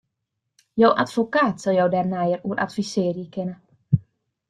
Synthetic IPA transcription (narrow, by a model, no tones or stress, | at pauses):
jowʔa̰tfokaːtsɔlˠjowdɛːrnɛjəruəɾʔa̰tfisɪːrjəkɪnə